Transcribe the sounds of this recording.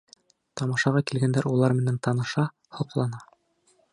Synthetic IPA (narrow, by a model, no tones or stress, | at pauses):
t̪ɑmɑʃɑʁɑkilɡænd̪æɾulˠɑɾmɘ̆nænt̪ɑnɤ̆ʃɑ | hŏqlˠɑnɑ